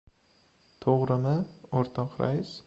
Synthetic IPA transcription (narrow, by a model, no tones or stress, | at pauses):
t̪ʰoʁɾɪmɪoɾt̪ʰɒnqʰɾa̰js